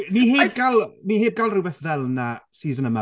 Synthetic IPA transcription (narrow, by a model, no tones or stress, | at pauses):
niheːaːbɡalˠniheːb̚ɡalˠrɪbɛθvɛlˠnasiːzənəma